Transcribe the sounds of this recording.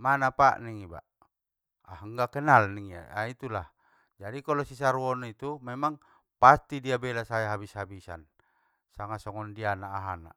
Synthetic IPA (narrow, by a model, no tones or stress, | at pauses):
manapaʔniŋiba̰ʔ | aɦəŋɡakɛnalniŋia̰ait̪ulah | d͡ʒadikalɔsis̬aɾuɔnit̪umɛmaŋ | past̪idiabɛlasajaɦabishabisa̰n | saŋasɔŋɔndianaːɦana̰